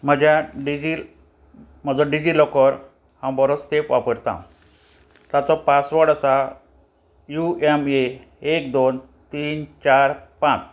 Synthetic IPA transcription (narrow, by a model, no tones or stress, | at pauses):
m̤əd͡ʑjaɖid͡ʑil | m̤əd͡zɔɖid͡ʑilɔkɔɾ | hãmbɔɾot͡st̪epʋapəɾt̪ã̰ | t̪at͡sɔpasʋəɽəsa | jueme | ek̚d̪on | t̪iːnt͡ɕaɾpãt͡s